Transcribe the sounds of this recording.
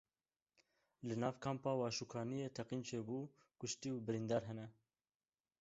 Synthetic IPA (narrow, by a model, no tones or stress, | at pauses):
lɨnɑːvkʰɑːmpɑːwɑːʃukʰɑːnijeːt̪ʰɛqiːnt͡ʃʰeːbuː | kʊʃt̪iːwbɨɾind̪ɑːɾɦɛnɛ